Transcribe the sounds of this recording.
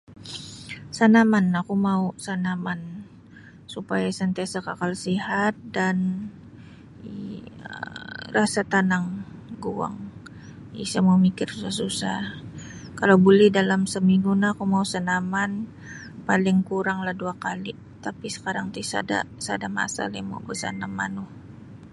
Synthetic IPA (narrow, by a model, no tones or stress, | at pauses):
sanamanːakumausanaman | supajasant̪asakakalsiɦat̪̚dan | iə̰rasat̪anaŋɡua̰ŋ | ḭsamawmikɪrsusahsusah | kalawbulɛhdalamsəmiŋɡunakumausanaman | palɪŋkuɾaŋlahduakali | t̪apisə̥kaɾaŋt̪isa̰da̰sadama̰sa̰lema̰wbəsa̰namːa̰nʊh